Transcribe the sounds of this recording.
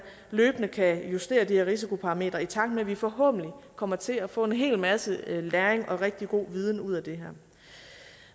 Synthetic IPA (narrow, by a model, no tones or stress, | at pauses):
løːb̥ənəkʰæjusd̥e̝̰ːɐd̥iheɐʁis̬ikʰo̝pʰɑ̈ʁɑ̈me̝̰ːd̥ʁɐit͡sʰɑ̈ɡ̥̚d̥meʋifɒ̽ɦɔ̰̽ːb̥n̩likʰɒ̽m̰ɐt͡sʰe̝æfɔ̰̽ːe̝nɦe̝̰ːlmæsəlæːɐeŋʔɒ̽ʁɛɡ̥̚d̥iɡ̥o̝̰ːʋiːð̞ˠn̩uð̞̰ˠæd̥e̝ɦæɐ̰